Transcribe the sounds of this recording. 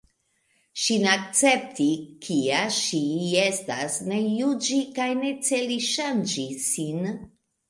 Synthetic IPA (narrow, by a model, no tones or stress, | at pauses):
ʃineak̚t͡se̞p̚tikʰiaʃie̞stasne̞jud͡ʒikajne̞t͡se̞liʃand͡ʒisin